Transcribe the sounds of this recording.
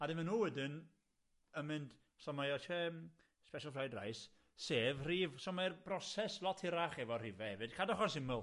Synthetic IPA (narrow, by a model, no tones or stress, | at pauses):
adɪmɛnuːwɛdɪn | əmɪnd | sɔmajɔtʰem | spɛʃəlˠfrajdra̰js | seːvriːvsɔmajrb̥rɔsɛslˠɔtʰhɪɾaχɛvɔrɪvɛhɛvɨd̥kʰadɔχɔnsɪməlˠ